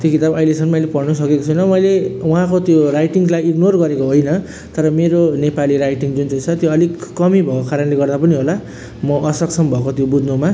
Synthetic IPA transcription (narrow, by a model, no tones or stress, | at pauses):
t̪jokit̪abʌjlesʰʌnmʌjlepʌrnʌs̬ʌkekot͡sʰjnʌmʌjlewuɦãkot̪jorajʈiŋlajiɡnorɡʌɾekoɦojnʌ | t̪ʌɾʌmeɾonepaliɾajʈiŋd͡zunt͡sʌjt͡sʰʌt̪joʌlikːʌmibʱʌkokaɾʌnleɡʌrd̪apʌniɦola | mʌʔʌsʌksʌmbʱʌkot̪jobud̪ʱnoma